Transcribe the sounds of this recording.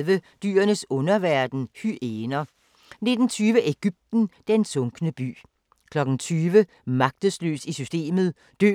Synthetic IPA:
ʋəd̥y̰ːɐnəsɔ̽nɐʋæɐd̥n̩hyʔeːnɐ | ne̝d̥n̩t͡sʰyːʋəʔeɡ̥yb̥̚d̥n̩d̥ensɔ̽ŋɡ̥nəb̥y̰ː | kʰlɒ̽ɡ̥n̩t͡sʰyːʋə | mɑ̈ɡ̥̚d̥əslø̰ːsisysd̥e̝̰ːmð̞̩ˠ | d̥ø̰ː

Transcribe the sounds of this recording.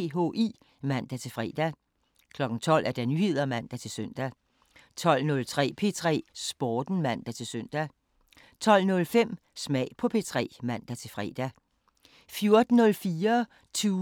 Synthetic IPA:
ɦo̝̰ʔḭ | mæn̰d̥æt͡sʰe̝lfʁɛ̰ːd̥æ | kʰlɒ̽ɡ̥n̩t͡sʰɒ̽l̰æɐd̥ænyhe̝ð̞̰ˠɐmæn̰d̥æt͡sʰe̝lsøn̰d̥æ | t͡sʰɒ̽l̰nɔ̽lt͡sʰʁɛ̰ːpʰe̝t͡sʰʁɛ̰ːsb̥ɒːd̥n̩mæn̰d̥æt͡sʰe̝søn̰d̥æ | t͡sʰɒ̽l̰nɔ̽lfem̰ | smɛ̰ɪpʰɒ̽pʰe̝t͡sʰʁɛ̰ːmæn̰d̥æt͡sʰe̝lfʁɛ̰ːd̥æ | fjo̝ɐd̥n̩ːɔ̽lfiːɐ | t͡sʰuː

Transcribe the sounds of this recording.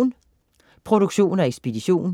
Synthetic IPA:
n | pʰʁo̝d̥uɡ̥ɕo̝̰ːn̩æeɡ̥sb̥e̝d̥iɕo̝̰ːn

